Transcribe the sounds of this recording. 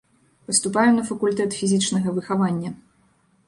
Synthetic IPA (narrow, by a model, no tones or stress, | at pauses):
pɐst̪upajɛmnɐfɐkulʲt̪ɛt̪fʲizʲit͡ʂnɐɣɐvɨxavanʲːɐ